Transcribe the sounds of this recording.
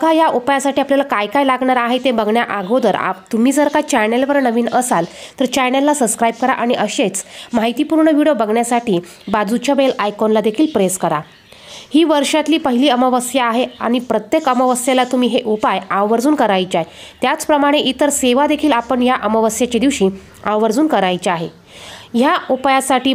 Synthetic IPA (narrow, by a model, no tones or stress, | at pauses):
əkʰajaʔupajasaʈiːapljalakajkajlaɡɳaɾaɦet̪ebəɡɳjaʔaɡod̪əɾa̰t̪um̤iːd͡zəɾkat͡ɕɛɾnelʋəɾnəʋiːnəsalt̪əɾt͡ɕɛɾnelːasəbskɾajb̚kəɾa̰ʔaɽ̃iʔəɕet͡smaɦijt̪ipuɾɳəʋiɽijobəɡɳjasaʈʰiː | bad͡zut͡ɕaʋelajkonlad̪ekʰiːlpɾeskəɾa̰ | hiːʋəɾʂat̪liːpəɦiliːəməʋəsjaːɦea̰ɽ̃ipɾət̪jekəməʋəsjelat̪umiːɦeʔopajaʋʋəɾd͡zuːnkəɾajt͡ɕaet̪jat͡spɾəmaɽ̃eʔit̪əɾseʋad̪ekʰiːlapəɳjaʔəməʋəsjat͡ɕed̪iʋɕiː | ãwʋəɾd͡zuːnkəɾajt͡ɕeaɦe | jaopjasaʈiː